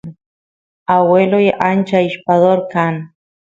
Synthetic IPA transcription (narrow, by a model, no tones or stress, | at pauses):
awweloiʔant͡ʃaiʃpaðoɾkan